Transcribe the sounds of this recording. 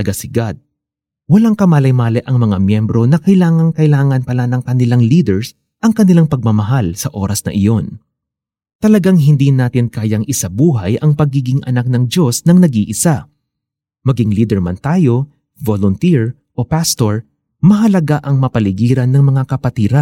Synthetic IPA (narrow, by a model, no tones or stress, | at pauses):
ɐɡasɪɡad̪̚ | wɐlaŋkɐmaːlɐjmaːlɛʔɐŋmɐŋamjɛmbɾo̞nɐkɐjlaːŋɐŋkɐɪlaːŋɐnpɐlanɐŋkɐnɪlaŋliːd̪ɛɹs | ʔɐŋkɐnɪlaŋpɐɡ̚mɐmɐɦalsɐʔo̞ːɾɐsnɐ̰ʔɪjo̞n | t̪ɐlɐɡaŋɦɪnd̪inaːt̪ɪnkaːjɐŋʔɪsabuːɦɐjʔɐŋpɐɡiːɡɪŋʔɐ̰nak̚nɐŋd͡ʒo̞snɐŋnɐɡiːʔɪsa | mɐɡiŋliːd̪ɛɹmɐ̰nt̪aːjo̞ | volʊnt̪iɹ | ʔopast̪o̞ɹ | mɐɦɐlɐɡaʔɐŋmɐpɐlɪɡiːɾɐnːɐŋmɐŋakɐpɐt̪iːɾa